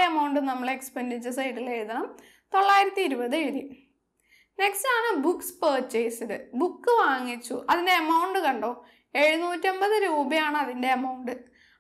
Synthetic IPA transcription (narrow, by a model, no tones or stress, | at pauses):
ɐmɐwɳɖɨnɐmːɐɭekspɐndit͡ɕːɨsɐjʈːileɻðɐɳɐm | t̪o̞ɭːaːjiɾɐt̪ːiːɾubɐðeɾi | ne̞kstaːɳɨbukspeːt͡ɕːejsiðɨ̰bukːɨʋaːŋːit͡ɕːṵʔɐðinde̞ɐmɐwɳɖɨkɐɳɖo̞ː | eɻunuːtʲːio̞mbɐðɨɾuːbɐjaːɳɨɐðinde̞ɐmɐwɳɖɨ